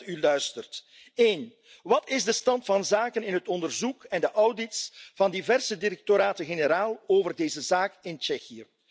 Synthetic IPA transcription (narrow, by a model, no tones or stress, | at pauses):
ylœɥstərt | eːn | ʋɑtɪzdəstɑntfɑnzaːkənɪnɦətɔndərzukɛndəʔʌwdɪtsv̥ɑndivɛrsədiɾɛk̚toɾaːtəɣenəɾaːlˠoːvərdeːzəzaːkɪnt͡ʃɛxijə